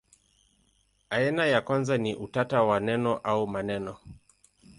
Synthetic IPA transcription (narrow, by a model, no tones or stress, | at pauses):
aɛnajakwanzaniʔutatawanɛnɔʔaumanɛnɔ